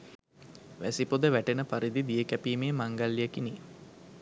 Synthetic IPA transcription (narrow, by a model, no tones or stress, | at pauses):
ʋæsipod̪əʋæʈenəpaɾid̪id̪ijəkæpiːmeːmaŋɡalːijəkiniː